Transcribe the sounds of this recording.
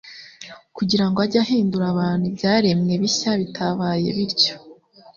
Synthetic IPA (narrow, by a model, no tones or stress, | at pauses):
kuɟiɾaŋɡoaɾɟahiːnduɾaβaːn̥hubɟaːɾe̞mŋe̞βiɕaβitʰaβaːje̞̰βiɾɟo